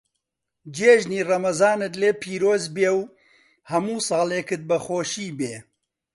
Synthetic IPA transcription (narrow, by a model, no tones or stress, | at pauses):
d͡ʒeːʒniːrɐmɐzɑːnɨt̪leːpʰiːɾoːzbeːw | hɐmuːsɑːleːkɨt̪̚bɐxoːʃiːbeː